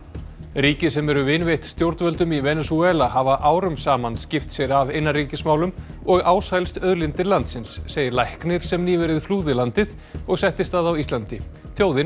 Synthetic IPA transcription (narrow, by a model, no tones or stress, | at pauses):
riːcɪsɛmɛɾʏvɪnvejht̪st̪jowɾt̪nvœlt̪ʏmivɛnɛsuɛːlahavaʔaːwɾʏmsaːmanscɪft̪sjɛɾavejnːariːcɪsmaːwlʏm | ɔɣaːwsajlst̪œðlɪnt̪ɪɾlant̪sɪnsːeːjɪɾlajhknɪɾ̥sɛmniːvɛɾɪðfluːðɪlant̪ɪð | ɔɣsɛht̪ɪst̪θaðawist̪lant̪ɪ | θjoːwðɪn